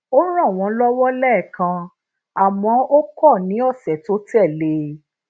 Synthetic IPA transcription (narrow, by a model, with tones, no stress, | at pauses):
o˦ɾ̃ã˦˨w̃ɔ̃˧˦lɔ˦wɔ˦lɛ˦˨kã˧ | a˨mɔ̃˨˦o˦kɔ˦˨nĩ˨˦ɔ˦˨sɛ˨to˦tɛ˦˨le˧˦